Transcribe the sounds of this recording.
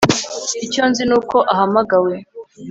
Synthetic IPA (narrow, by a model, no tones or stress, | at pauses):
ico̞nzinuːko̞ʔaɦamaɡawe